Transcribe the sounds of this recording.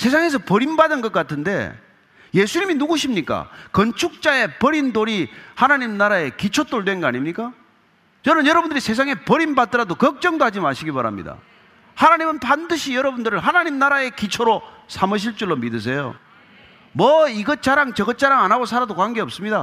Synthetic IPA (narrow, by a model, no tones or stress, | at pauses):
sʰes̬ʰaŋe̞s̬ʰʌpʌɾimbadɯnɡʌt̚k͈atʰɯnde̞̰ | je̞sʰuɲiminuɡuɕʰimɲik͈a̰kʌnt͡ɕʰuk̚t͡ɕ͈ae̞pʌɾindoɾihanaɲimnaɾae̞kit͡ɕʰot͈oɭdwe̞nɡʌa̰ɲimɲik͈a | t͡ɕʌnɯnjʌɾʌbund̪ɯɾisʰe̞s̬ʰaŋe̞pʌɾinbat͈ɯɾadokʌk̚t͡ɕ͈ʌŋdohad͡ʑimaɕʰiɡipaɾa̰mɲḭda̰ | hanaɲimɯnpandɯɕʰijʌɾʌbundɯɾɯɭɦanaɲimnaɾae̞kit͡ɕʰoɾo | sʰamɯɕ̬ʰiɭt͡ɕ͈uɭːomidɯs̬ʰe̞jo̰ | mʌiɡʌt̚t͡ɕ͈aɾaŋt͡ɕʌɡʌt̚t͡ɕ͈aɾaŋanaɡosʰaɾadokwaŋɡeʌp̚s͈ɯmɲida